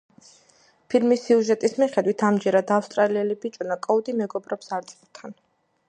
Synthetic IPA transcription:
pʰilmisiuʒɛt̪ʼismiχɛd̪wit̪ʰamd͡ʒɛɾad̪afst̪ʼɾaliɛlibit͡ʃʼunakʼɔud̪imɛɡɔbɾɔpsaɾt̪sʼɛpt̪ʰan

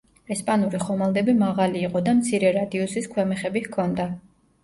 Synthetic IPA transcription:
ɛspʼanuɾiχɔmalˠd̪ɛbimaʁaliːqʼɔd̪amt̪sʰiɾɛɾad̪iɔsiskʰwɛmɛχɛbihkʰɔnd̪a

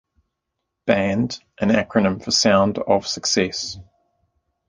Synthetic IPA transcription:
b̥æ̃ndʔə̃nækʰɹənə̃ɱfəsãʊ̃ndə̰v̥səksɛs

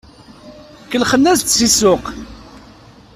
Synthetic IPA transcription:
kːəlχənːæzt̪sisʊq

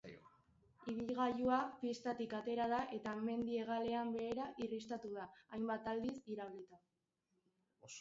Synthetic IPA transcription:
iβ̞ilɣajuapist̪at̪ikat̪e̞ɾað̞aʔe̞t̪ame̞nd̪ie̞ɣ̞ale̞ambe̞ːɾaʔirist̪at̪uðaːjmbat̪ald̪isiɾaβlit̪a

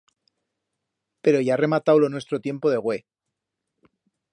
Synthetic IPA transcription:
pe̞ɾo̞ʝaare̞mat̪awlonwest̪ɾo̞t̪je̞mpo̞ðe̞ɣwe̞

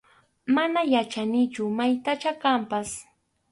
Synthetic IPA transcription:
manajat͡ʃanɪt͡ʃʊmajt̪at͡ʃakampas

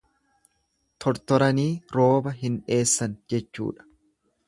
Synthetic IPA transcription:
t̪ʰɔɾt̪ɔɾɐniːɾo̞ːbɐɦɪnᶑe̞ːsːɐnd͡ʒɛt͡ʃːṵːᶑɐ̥

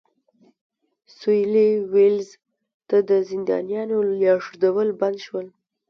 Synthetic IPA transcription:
sujliwɪlz | t̪ad̪əzɪnd̪ɑ̰njɑnojɑʂud̪awəlband̪ʃwəl

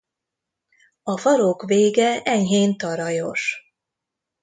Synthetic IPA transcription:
ɒfɒɾo̞kveːɡɛʔɛɲɦeːnt̪ɒɾɒjo̞ʃ

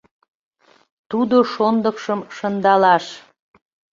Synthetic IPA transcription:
t̪ud̪oʃond̪əkʃəmʃənd̪ɑlɑʃ

